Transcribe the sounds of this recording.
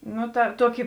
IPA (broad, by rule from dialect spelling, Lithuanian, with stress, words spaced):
ˈnʊ tɐ ˈtuɔkʲɪ